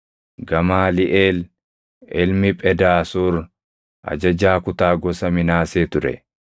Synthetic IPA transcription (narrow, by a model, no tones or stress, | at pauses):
ɡɐmaːlɪʔeːl | ɪlmɪpʼɛd̪aːsuːɾ | ʔɐ̰d͡ʒɐd͡ʒaːkʊt̪aːɡɔsɐmɪnaːseːt̪ʊɾɛ̰